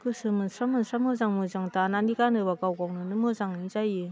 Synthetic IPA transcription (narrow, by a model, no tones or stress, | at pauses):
kɯsɯmɯnsɾamɯnsʰɾamɯzaŋmɯzaŋtananiɡanɯbaɡawɡawnɯnɯmɯzaŋizajɯ